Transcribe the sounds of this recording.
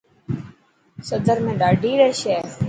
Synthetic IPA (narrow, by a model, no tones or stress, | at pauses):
səd̪ʱəɾmẽːɗaːɖʱiːɾɛːʃɛː